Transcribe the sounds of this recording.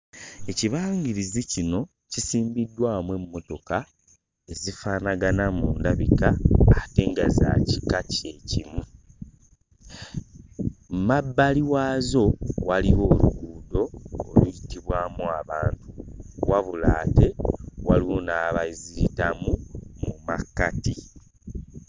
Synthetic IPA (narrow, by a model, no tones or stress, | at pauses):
e̞ciβaːŋɡiɾizicino̞ | cisiːmbidːwaːmwe̞mːo̞to̞ka | e̞zifaːnaɡanamuːndaβikaːte̞ːŋɡaza̰cikace̞cimu | mmabːaliwaːzo̞waliwo̞ːluɡuːdo̞ːlujitiβwaːmuaβaːntuwaβulaːte̞waliwo̞naːβaiziɾitamumuma̰kːati